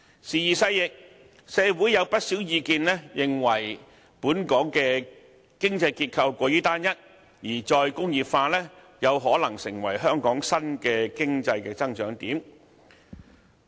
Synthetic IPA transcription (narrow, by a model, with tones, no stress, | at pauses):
siː˨˧jiː˨˩sɐ˧jjɪ˨k̚ | sɛː˨˧wu˨˥jːɐ˨˧wpɐ˥t̚siː˨˥wjiː˧kiː˧nlɛ˥jɪ˨ŋwɐ˨˩j | puː˨˥nkɔː˨˥ŋkɛː˧ | kɪ˥ŋt͡sɐ˧jkiː˧t̚kʰɐ˧wkʷɔː˧jyː˥t̪aː˥njɐ˥t̚ | jiː˨˩t͡ʃɔː˧jkʊ˥ŋjiː˨p̚faː˧lɛː˥ | jɐ˨˧wɦɔː˨˥lɐ˨˩ŋsɪ˨˩ŋwɐ˨˩jɦœː˥ŋkɔː˨˥ŋsɐ˥nkɛː˧kɪ˥ŋt͡sɐ˧jkɛː˧t͡sɐ˥ŋt͡ʃœː˨˥ŋt̪iː˨˥m